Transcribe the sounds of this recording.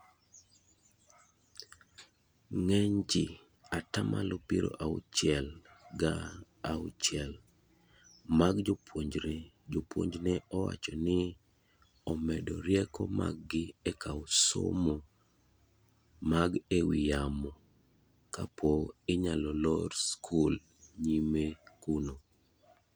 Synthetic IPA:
ŋɛɲd͡ʒɪ | atamʔalopiɾo̰ʔaʊ̰t͡ʃɪɛlɡa | aʊt͡ʃjɛl | maɡd͡ʒopʰwoɲd͡ʒɾe | d͡ʒopwo̰ɲd͡ʒnɛɔwa̰t͡ʃɔnɪ | ɔmɛdɔ̰ɾjɛkɔma̰ɡ̚ːɪɛkaʊso̰mo | maɡewɪjamɔ | ka̰poɪɲalɔlɔɾskʰul | ɲimekuno

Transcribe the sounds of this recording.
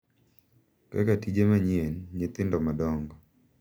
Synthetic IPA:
kɛ̰katid͡ʒemaɲienɲɪt̪ɪndɔmadɔŋɡɔ

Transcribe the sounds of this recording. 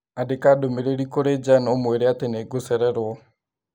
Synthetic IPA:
adekadomeɾeɾikoɾed͡ʒanɔmweɾeateneɡosɛɾɛɾwɔ

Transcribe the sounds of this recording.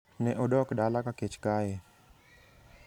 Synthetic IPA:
neʔʊɖɔːkɖaːlakaket͡ʃkaːɦeː

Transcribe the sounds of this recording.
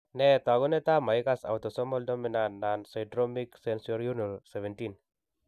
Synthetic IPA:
nɛt̪aɡunet̪amaikasa̰wt̪ɔsɔmɔldɔminannːansajdɾɔmiksɛnsɔɾjunɔlsɛvɛntin

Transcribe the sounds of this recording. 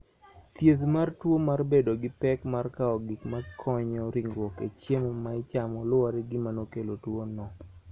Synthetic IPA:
t̪jeðmartwomarbedoɡɪpɛkmarkaɔɡɪkmakʰɔɲɔɾiŋwɔkḛt͡ʃjemɔmaɪt͡ʃamɔlʊaɾɛɡɪmanokelotwonɔ

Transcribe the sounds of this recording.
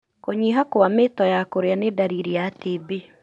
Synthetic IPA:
koɲiɦakwametɔjakoɾeanedaɾiɾiatebe

